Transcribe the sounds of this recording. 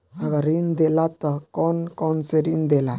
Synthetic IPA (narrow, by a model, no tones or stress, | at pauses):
aɡaɾind̪elat̪akonkonseɾind̪ela